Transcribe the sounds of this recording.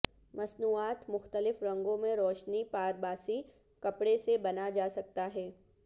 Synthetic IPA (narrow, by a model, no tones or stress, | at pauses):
mɐsnuːaːt̪mʊxt̪əlɪfɾɐ̃ŋɡõmẽɾɔːʃnipaːɾbaːsi | kɐpɽesebɐnad͡ʒaːsɐk̚t̪aɦɛː